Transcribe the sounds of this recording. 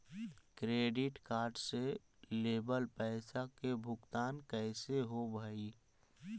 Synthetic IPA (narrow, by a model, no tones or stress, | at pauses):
kɾeːɖɪʈkaːɾɖse | leːbəlpɛɪsakebʱʊkt̪aːnkɛɪseɦobʱəi